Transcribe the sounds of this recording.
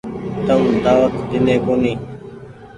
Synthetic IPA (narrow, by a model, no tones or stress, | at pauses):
t̪əmd̪aːʋət̪d̪ɪnẽːkoːniː